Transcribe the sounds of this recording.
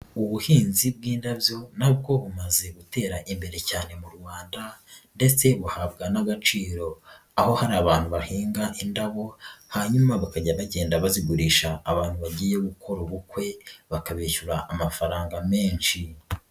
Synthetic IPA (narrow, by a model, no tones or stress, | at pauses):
uβuhiːnzib̚ɡiːndabjo̞nab̚ɡo̞βumaze̞ɡute̞ːɾaʔimbe̞ɾe̞caːne̞muɾɡwaːndande̞t͡se̞βuhabɡanaɡat͡ʃiːɾo̞ | aho̞haɾaːβaːnhuβahiːŋɡaʔindaβo̞haɲumaβakaɟaβaɟe̞ːndaβaziɡuɾiːʃaːβaːnhuβaɟiːjeɡukʰo̞ɾoβukwe̞βakaβeːçuɾaʔːmafaɾaːŋɡame̞ːnʃi